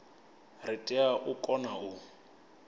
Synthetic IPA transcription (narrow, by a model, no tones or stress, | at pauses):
rɪtʼɛaʔʊkʼɔnaʊ